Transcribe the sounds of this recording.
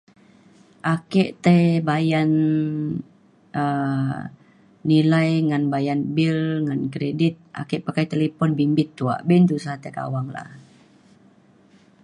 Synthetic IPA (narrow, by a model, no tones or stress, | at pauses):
ʔakɛʔt̪əbajan | ə | ilajŋanbajanbilŋankɾedit̪̚ʔa̰kɛʔpakajt̪elepɔnbimbɪt̪ːua̰ʔbɛnt̪usaht̪əka̰waŋla̰h